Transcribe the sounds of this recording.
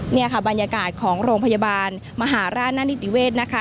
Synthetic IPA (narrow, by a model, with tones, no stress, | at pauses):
ni˥˩ɐkʰa˥˩ba˧njaː˧kaː˨˩t̪̚kʰɔː˩˦ŋɾoː˧ŋpʰa˧ja˧baː˧n | ma˧ɦaː˩˦ɾaː˥˩naː˥nːi˦˥t̪ʰi˨˩˦weː˥˩t̪̚na˦˥kʰa˦˩